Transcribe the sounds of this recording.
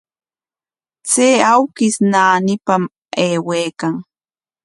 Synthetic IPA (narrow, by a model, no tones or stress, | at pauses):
t͡seːawkɪsnaːnɪpam | eːweːkaŋ